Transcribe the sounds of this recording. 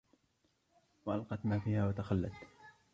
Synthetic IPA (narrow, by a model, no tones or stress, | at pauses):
waʔalqɑt̪maːfiːhaːwat̪axalːat̪